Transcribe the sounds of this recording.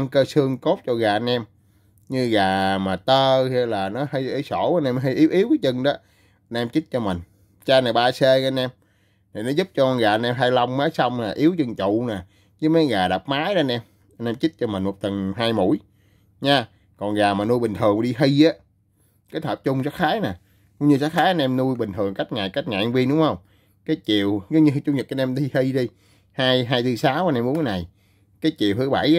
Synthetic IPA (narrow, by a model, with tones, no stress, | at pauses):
a˧ŋkəː˧sɨ˧əŋko˦˥t̚t͡ɕɔ˧ɣaː˨˩ʔa˧nʔɛ˧m | ɲɨ˧ɣaː˨˩maː˨˩t̪əː˧hɛ˧laː˨˩nɔ˨˦hi˧jʔə˧jso̰˧˩˦a˧nʔɛ˧m˧ɦi˧jʔi˨˦wʔi˨˦wkaː˨˦jt͡ɕə˧ŋɗɔ˨˦ | ʔa˧nʔɛ˧mt͡ɕi˦˥t̚t͡ɕɔ˧mï˨˩ŋ̟ | t͡ɕaː˧naː˨˩ɓaː˧se˧nʔɛ˧m | naː˨˩nɔ˨˦zu˦˥p̚t͡ɕɔ˧kɔ˧ɣaː˨˩ʔnʔɛ˧mɦaː˧jla˧wŋ͡mmaː˨˦jsa˧wŋ͡mnaː˨˩ʔi˨˦əwt͡ɕə˧ŋt͡ɕʊ˧˨naː˨˩ | ɲɨ˨˦maː˨˦ɣaː˨˩ɗa˨˩p̚maː˨˦jɗa˨˧nʔɛ˧m | a˧nʔɛ˧mt͡ɕi˦˥t̚t͡ɕɔ˧mï˨˩mo˨˩k͡p̚t̪ə˨˩nɦaː˧jmṵ˧˩˥j | ɲaː˧ | kɔ˨˩nɣaː˨˩maː˨˩nu˧jɓï˨˩ŋ̟t̪ʰɨ˨˩əŋ˨ɗi˧hi˧jʔaː˨˦ | kaː˨˦jt̪ʰə˨˩p̚t͡ɕʊ˧ŋ͡msaː˦˥t̚xaː˨˦jnaː˨˩ | kʊ˧˥ŋ͡mɲɨ˧saː˦˥t̚xaː˨˦jʔə˧nɛ˧mnu˧jɓï˨˩ŋ̟t̪ʰɨ˨˩əŋka˦˥kt̚ŋaː˨˩jka˦˥jt̚ŋaː˨˩ʔa˧nvi˧nɗʊ˨˦ŋ͡mhə˧wŋ͡m | kaː˨˦jt͡ɕḭ˨əwɲɨ˧t͡ɕʊ˧ŋ͡mɲə˨˩a˧nʔɛ˧mt̪ʰi˧hi˧jɗi˧ | haː˧jɦaː˧jt̪ʰɨ˧saː˨˦wʔa˧nʔɛ˧mɓu˨˦nkːa˨˦na˨˩j | kaː˨˦jt͡ɕi˨əwhɨ˨˧˦ɓa̰˧˩j